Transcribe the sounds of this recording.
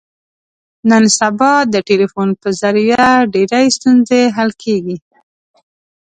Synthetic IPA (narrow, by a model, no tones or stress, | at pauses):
nənsabɑd̪əʈelifonpəzaɾjaɖeɾajst̪unzeɦalkʰeɡi